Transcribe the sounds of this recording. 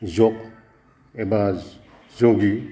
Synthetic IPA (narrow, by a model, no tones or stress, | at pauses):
zɔk | eba | zoɡi